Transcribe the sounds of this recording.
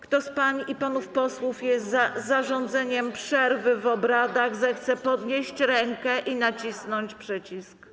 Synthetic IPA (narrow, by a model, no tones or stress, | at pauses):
kt̪ɔspaɲiʔipanufpɔswufjɛst̪azːaʐɔnd̪zɛɲɛmpʂɛɾvɘvɔbɾad̪aɣzɛxt̪sɛpɔd̪ɲeɕt͡ɕɾɛŋkɛʔinat͡ɕisnɔɲt͡ɕpʂɛt͡ɕisk